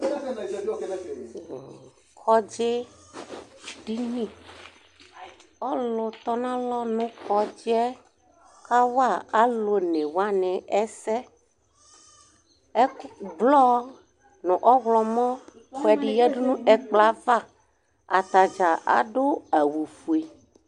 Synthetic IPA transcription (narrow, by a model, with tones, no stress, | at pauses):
kʰɔ˦d͡ʒe˦ | ɖi˦nĩ˦ | ɔ˦lo˨t̪ɔ˦nã˦lɔ˦nũ˦kɔ˦d͡ʒi˦ɛ˦ | ka˦wa˦˨a˨lo˨nẽ˨wa˦nɛ̃˨ʔɛ˦sɛ˦ | ɛ˦blɔ˦ | nũ˨ʔɔ˦ɣlɔ˨mɔ̃˦ | xɛ˨ɖi˨jɛ˦ɖo˦nũ˦ɛ˨k͡pla˦va˦˨ | a˨t̪a˨d͡ʒa˨ʔa̰˨ɖo˦ɛ˨wu˨fu˨e˨